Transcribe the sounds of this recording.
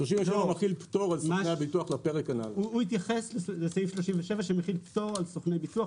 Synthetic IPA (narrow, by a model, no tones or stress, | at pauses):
ʃloʃimveʃevamaχilptoʁalsoanejabituaχlapeʁekana̰luit̪jaχesleleseifʃloʃimveʃevaʃemeχilptoʁalsoχnejbituaχ